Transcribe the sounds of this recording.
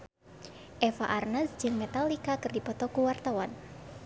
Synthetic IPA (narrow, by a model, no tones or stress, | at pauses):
ʔɛfa̰ʔarnasd͡ʒɨŋmet̪alikakɨrdipɔt̪ɔkuwart̪awan